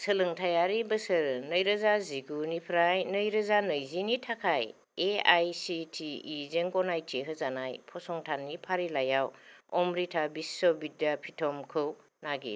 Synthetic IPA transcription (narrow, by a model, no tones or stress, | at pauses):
səlɯŋtʰajaɾibɐsɯɾnəjɾɐzaziɡunipʰɾajnəjɾɐzanɯjzinitʰakʰaj | ea̰jsitʰiːzeŋɡɔnajtʰiɦɯzanajpʰɔsɔŋtʰanːipʰaɾilajawɔmɾitʰabisːobitːapʰitʰɔmkʰɯw | naɡḭ